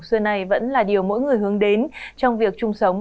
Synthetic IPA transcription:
sɨː˧na˨˩jvə̰˧˥nlaː˨˩ɗi˨˩əwmo̰˧˥jŋɨ˨˩əjhɨ˨˦əŋɗe˨˦nt͡ɕɔ˧wŋ͡mvi˨˩ək̚t͡ɕʊ˧ŋ͡msə˨˦wŋ͡m

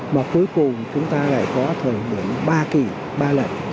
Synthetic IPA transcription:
maː˨˩ku˨˦əjkʊ˨˩ŋ͡mt͡ɕʊ˨˦ŋ͡mt̪aː˧la̰ː˧˨jkɔ˨˦t̪ʰəː˨˩jmḭ˧˩əŋɓaː˧ki˨˩ | ɓaː˧lə̰˧˨˩n

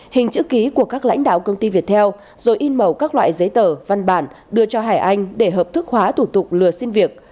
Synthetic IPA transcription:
hï˨˩ŋ̟t͡ɕɨ̰˧˥ki˨˦ku˧˩əkaː˦˥k̚la̰˧˥jŋ̟ɗa̰ː˧˨wkə˧wŋ͡mt̪i˧vi˨˩ət̚t̪ʰɛ˧w | zo˨˩jʔi˧nmə˨˩wkaː˦˥k̚lwa̰ː˧˨jzə˨˦jt̪əː˧˩va˧nɓaː˧˩n | ɗɨ˧ət͡ɕɔ˧ɦaː˧˩jʔa˧jŋ̟ɗe˧˩ɦəː˨˩p̚t̪ʰɨ˦˥k̚hwaː˨˦t̪ʰu˧˩t̪ʊ˨˩k͡p̚lɨ˨˩əsi˧nvi˨˩ət̚

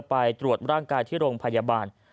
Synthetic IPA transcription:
pa˧jt̪ɾu˨˩ət̪̚ɾaː˥˩ŋkaː˧jt̪ʰiː˥˩ɾoː˧ŋpʰa˧jaː˧baː˧n

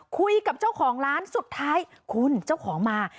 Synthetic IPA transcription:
kʰu˧jka˨˩p̚t͡ɕaː˥˩wkʰɔː˩˦ŋɾaː˦˥nsu˨˩t̪ʰːaː˦˥j | kʰu˧nt͡ɕaː˥˩wkʰɔː˩˦ŋmaː˧

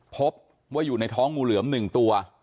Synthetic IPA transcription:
pʰo˦˥p̚ | waː˥˩juː˨˩na˧jt̪ʰɔː˦˥ŋːuː˧lɯ˩˦əmnɯ˨˩ŋt̪u˧ɐ

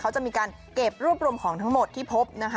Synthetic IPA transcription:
kʰa˦˥wt͡ɕa˨˩ʔ̚miː˧kaː˧n | ke˨˩p̚ɾuː˥˩əp̚ɾuː˧əmkʰɔː˩˦ŋt̪ʰa˦˥ŋmo˨˩t̪ʰːiː˥˩pʰo˦˥p̚na˦˥kʰ

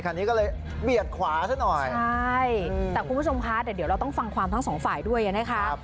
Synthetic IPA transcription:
kʰa˧nt̪ʰiː˦˥kɔː˥˩lɤː˧j | bi˨˩ət̪̚kʰwaː˩˦saː˥˩nɔ˨˩jt͡ɕʰa˥jt̪ɛː˨˩kʰu˧nmbt͡ɕʰo˧mkʰa˦˥t̪ɛː˨˩d̪i˩˦ɾa˧wt̪ɔ˥˩ŋfa˧ŋkʰwaː˧mt̪ʰa˥ŋsɔː˩˦ŋfaː˨˩jdu˥˩əjʔa˧˩ma˦˥kʰa˦˥ʔ̚

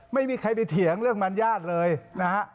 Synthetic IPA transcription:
ma˥˩jmiː˧kʰa˧jp̬a˧jt̪ʰi˩˦əŋɾɯ˥˩əŋma˧njaː˥˩t̪̚lɤː˧jna˦˥ha˦˥ʔ

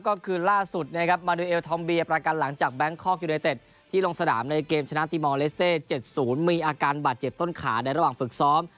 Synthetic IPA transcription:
kɔː˥˩kʰɯː˧laː˥˩su˨˩t̪̚ni˥˩˧kʰa˦˥p̚maː˧nuː˧ʔeː˧wt̪ʰɔ˧mbi˧əpɾa˧ka˧nla˩˦ŋt͡ɕaː˨˩k̚bɛ˦˥ŋkʰɔː˥˩k̚juː˧na˧jt̪e˨˩t̪̚ʰːiː˥˩lo˧ŋsa˧na̰ː˩˦mna˧jkeː˧mt͡ɕʰa˧na˦˥t̪iː˧mɔː˧le˦˥st̪eː˥˩t͡ɕe˨˩t̪̚suː˩˦nmiː˧ʔaː˧kaː˧nbaː˨˩t̪̚t͡ɕe˨˩p̚t̪o˥˩nkʰaː˩˦da˧jɾa˧waː˨˩ŋfɯ˨˩k̚sɔː˦˥m

